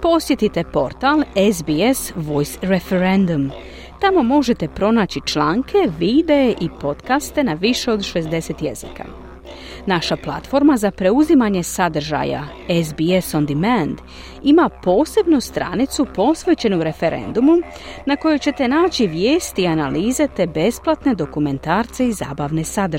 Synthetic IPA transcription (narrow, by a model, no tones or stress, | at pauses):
po̞sje̞t̪it̪e̞po̞ɾt̪alezbiesʋo̞jsɾefeɾend̪um | t̪amo̞mo̞ʒe̞t̪e̞pɾo̞naːt͡ɕit͡ʃlaːŋkʰe̞ʋid̪e̞eʔipo̞t̪kast̪e̞naʋiʃe̞o̞d̪ʃe̞zd̪e̞set̪je̞̰zḭka̰ | naʃaplˠa̰t̪fo̞ɾmazapɾe̞uzimaɲe̞sad̪r̩ʒa̰ja̰ | ezbiesond̪imend̪ | imapo̞ːse̞bnust̪ɾa̰ːnit̪supo̞sʋe̞t͡ɕe̞nuɾe̞fe̞ɾʔḛnd̪umu | nako̞jut͡ɕe̞t̪e̞naːt͡ɕiʋje̞ːst̪iːanaliːze̞t̪e̞be̞splˠat̪ne̞d̪o̞kume̞nt̪aːɾt̪se̞iza̰ːbaʋne̞sad̪ɾ